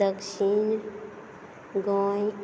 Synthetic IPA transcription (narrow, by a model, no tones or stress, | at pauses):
əkʃiːn | ɡɔ̃ːj